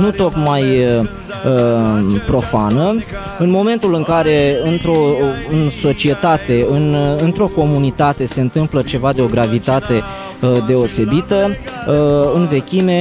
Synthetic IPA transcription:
nut̪o̞k̪maj | əpɾo̞fanə | ɨnmo̞me̞nt̪ulɨŋkaɾe̞ɨnt̪ɾo̞ɨnso̞t͡ʃie̞t̪at̪e̞ɨnɨnt̪ɾo̞ko̞munit̪at̪e̞se̞ɨnt̪ɨmplət͡ʃe̞vad̪eo̞ɡɾavit̪at̪e̞ | d̪e̞o̞se̞bit̪ə | ɨnve̞kʲime̞

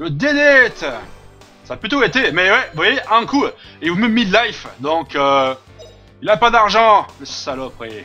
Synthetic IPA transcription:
ləd̪ed̪ɛt̪ | saːplyt̪oet̪emɛwɛvwajeʔɛ̃kuivɔ̃mɛmːid̪lajfd̪ɔ̃kø | ilapad̪aʁʒɑ̃mɛsɛ̥salɔpχe

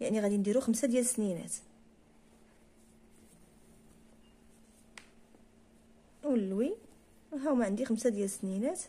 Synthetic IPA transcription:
jaʕniɣæd̪ind̪iɾuxəmsad̪jælsninæ̰t̪ | wəlːwi | ɦæwmæʕənd̪ixəmsad̪jælsninæt̪

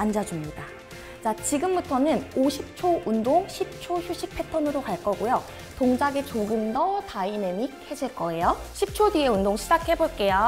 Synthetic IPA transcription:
and͡ʑad͡ʑumɲida | t͡ɕat͡ɕiɡɯmbutʰʌnɯnoɕʰip̚t͡ɕʰoʔundoŋɕʰip̚t͡ɕʰoçjuɕʰik̚pʰe̞tʰʌnɯɾokaɭk͈ʌɡojo | toŋd͡ʑaɡet͡ɕoɡɯndʌtainemikʰed͡ʑʰeɭk͈ʌejoɕʰip̚t͡ɕʰodie̞undoŋɕʰid͡ʑak̚ʰhe̞boɭk͈e̞jo

